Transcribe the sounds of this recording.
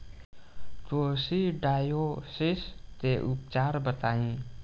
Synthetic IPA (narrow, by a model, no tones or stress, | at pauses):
t̪oːsiɖaːjosɪst̪eʔup̚t͡ʃaːɾbət̪aːĩ